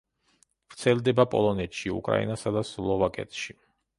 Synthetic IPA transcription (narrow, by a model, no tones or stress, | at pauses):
vɾt̪sʰɛld̪ɛbapʼɔ̰lˠɔnɛt̪ʃiṵkʼɾa̰ḭnasad̪aslˠɔvakʼɛ̰t̪ʃi